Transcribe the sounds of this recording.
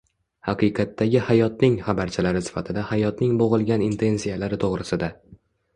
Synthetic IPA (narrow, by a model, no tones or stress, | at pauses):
haqʰɨjqʰɑt̪ːaɡʲɪhajɒt̪̚nɪŋχabaɾt͡ʃʰalaɾɪsɪ̥fat̪ʰɪd̪ahajɒt̪nɪŋboʁɨlˠɡʲanint̪ʰe̞nsijalaɾɪt̪ʰoʁɾɪsɪd̪a